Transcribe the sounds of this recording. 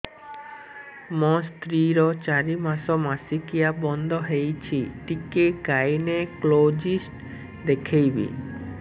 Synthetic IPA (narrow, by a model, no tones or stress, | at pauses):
mɔ̃st̪ɾiɾɔt͡ʃaɾimasɔmasikijabɔnd̪ʱɔɦejt͡ʃʰiʈikeɡajneklod͡ʒisʈ | d̪ekʰejbḭ